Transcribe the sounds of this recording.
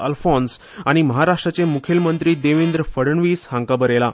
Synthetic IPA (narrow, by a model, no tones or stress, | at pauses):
əlfɔ̃ns | aɽ̃iməɦaɾaʂʈɾat͡semukʰelmənt̪ɾiːd̪eʋind̪ɾəfəɽəɳʋishãŋkabəɾela